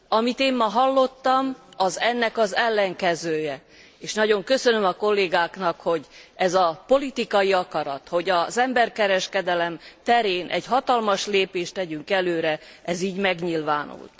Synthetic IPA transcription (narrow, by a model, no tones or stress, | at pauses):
ɒmit̪eːmːɒɦɒlːo̞t̪ːɒmɒzɛnːɛkɒzɛlːɛŋkɛzøːjɛ | eːʃnɒɟo̞ŋkø̞sønø̞mɒko̞lːeːɡaːknɒkho̞ɟɛzɒpo̞lit̪ikɒjiɒkɒɾɒt̪ho̞ɟɒzɛmbɛrkɛɾɛʃkɛd̪ɛlɛmt̪ɛɾeːnʔɛ̰ɟɦɒt̪ɒlmɒʃleːpeːʃt̪ɛɟyŋkɛløːɾɛʔɛziːɟmɛɡɲilvaːnṵlt̪